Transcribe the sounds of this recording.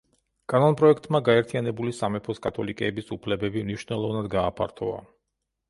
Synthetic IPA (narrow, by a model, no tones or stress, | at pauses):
kʼanɔnpʼɾɔɛkʰt̪ʼmaɡaɛɾt̪ʰijanɛbulisamɛpʰɔskʼat̪ʰɔlikʼɛːbisupʰlɛbɛbimniʃwnɛlˠɔvnad̪ɡaːpʰa̰ɾt̪ʰɔa̰